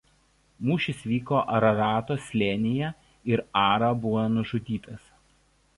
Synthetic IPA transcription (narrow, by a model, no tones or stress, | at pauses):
muːʃʲɪsʋʲiːkoːʔɐɾɐɾɑːt̪oːsʲlʲenʲɪjɛ | ɪɾɑːɾɐbʊʋoːnʊʒʊd̪ʲiːt̪ɐs